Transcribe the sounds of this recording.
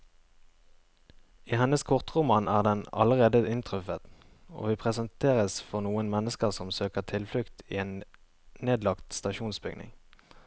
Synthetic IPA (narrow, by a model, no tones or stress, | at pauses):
iːhɛnəskʰʊʁt̪ʁʊmɑːnæːʁd̪ɛnɑ̰ləʁeːd̪əɪnt̪ʰʁʉfət̪ | o̰ːʋiːpʰʁɛsənt̪ʰeːʁəsfɔʁnuːənmɛnəskəʁsɔmsøːkəʁt̪ʰɪlflʉkt̪ḭːeːn | neːd̪lɑkt̪st̪ɑʃuːnsbʏɡnɪ̰ŋ